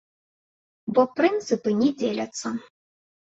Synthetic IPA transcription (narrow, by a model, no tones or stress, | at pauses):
bɔprɨnt̪sɨpɨnʲɛd͡zʲelʲat̪sʰɐ